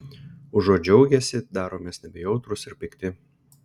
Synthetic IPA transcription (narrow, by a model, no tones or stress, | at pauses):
ʊʒoːd͡ʒʲɔʊɡʲɛsʲɪd̪ɑːɾoːmʲeːsnʲɛbʲɛjɔʊt̪ɾʊsɪɾpʲɪkt̪ʲɪ